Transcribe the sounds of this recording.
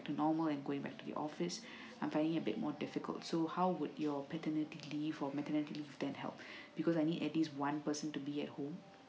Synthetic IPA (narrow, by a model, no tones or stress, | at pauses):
k̚tunɔməlɛ̃nɡoɪ̃ŋbɛ̰k̚tudḭʔɔ̰fis | ʔãj̃mfãɪ̃ndɪ̃ŋɪəbɪ̰t̚mɔdɪfikə̰lˠtsohawwudjɔpɛtənitilivɔmɛtənitilivdɛ̃nhɛ̰lˠp̚b̥ikɔsajnidɛtliswãnpəsə̃ntubiɛt̚hõm